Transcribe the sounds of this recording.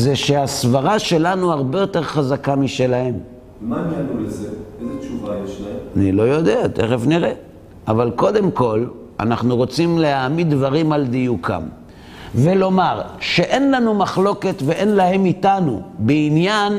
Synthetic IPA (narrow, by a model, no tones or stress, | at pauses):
zeʃeasvaʁaʃe̞lanuaʁbe̞jo̞te̞ʁχazakamiʃe̞lahem | mananulezeezet͡ʃuvajeʃlaemanilo̞jo̞d̪e̞at̪ḛʁefniʁe | avalko̞d̪e̞mko̞l | a̰naχnuʁo̞t͡simlehamidvaʁimald̪ijukʰa̰m | velo̞maʁʃe̞ʔe̞nlanumaχlo̞ke̞tveʔe̞nlahe̞mitanṵbeinjan